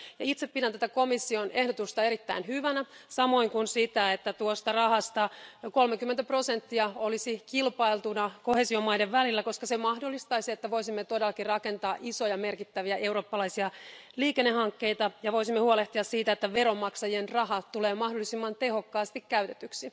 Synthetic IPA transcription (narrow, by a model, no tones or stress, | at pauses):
jɑit̪seppidænt̪æt̪æko̞misːione̞hdot̪ust̪ɑeɾit̪ːæinɦyʋænæsɑmo̞iŋkunsit̪æet̪ːæt̪uost̪ɑrɑhɑst̪ɑko̞lmekymːent̪æpro̞sent̪ːiɑolisikilpɑilt̪unɑko̞heːsio̞mɑjdeʋʋælilːæko̞skɑsemɑhdolːist̪ɑisiet̪ːæʋo̞jsimːet̪odelːɑkirɑke̞nt̪ɑːʔiso̞jɑmerkit̪ːæʋiæʔe̞wɾo̞ːpːɑlɑisiɑliːkenːehɑŋkːe̞it̪ɑjɑʋo̞jsimːehuoleht̪iɑssiːt̪æet̪ːæʋeɾomːɑksɑjienrɑɦɑt̪uleːmɑhdolːˑisimːɑnt̪e̞ho̞kːɑːst̪ikkæyt̪e̞t̪yksi